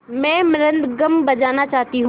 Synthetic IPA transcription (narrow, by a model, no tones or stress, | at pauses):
mɛ̃ːmɾə̃nd̪ɡɐmbɐd͡ʒaːnat͡ʃaːɦt̪iɦ